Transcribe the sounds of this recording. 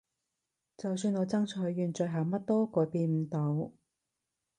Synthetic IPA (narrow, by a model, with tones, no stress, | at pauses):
t͡sɐ˨ws̬yː˧nŋɔː˨˧t͡sɐ˥ŋt͡ʃʰɔ˨˧˥jːyː˨˧nt͡sɵ˨˧jɦɐ˨˧wmɐ˥t̚t̪ɔː˥kɔː˨˧piː˧nm̩˨˧t̪o˨˧w